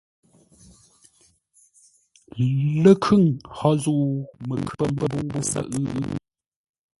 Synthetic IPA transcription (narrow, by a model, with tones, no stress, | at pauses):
lə˦kʰʉ˦˨ŋhɔ˦zuː˦˨mə˨kʰpə˦˨m˦bə˦bu˦ŋbu˦sə̰˨ʔʉ˦ʉ˦